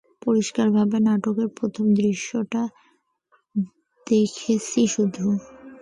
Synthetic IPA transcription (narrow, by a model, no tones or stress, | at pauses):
poɾiʃkaɾbʱabenaʈokeɾpɾot̪ʰomd̪ɾiʃːoʈa | d̪̥ekʰet͡ɕiʃud̪ʱːu